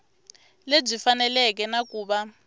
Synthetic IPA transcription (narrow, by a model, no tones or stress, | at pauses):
leb͡ʐifanɛlɛk̬ɛnakuːɓa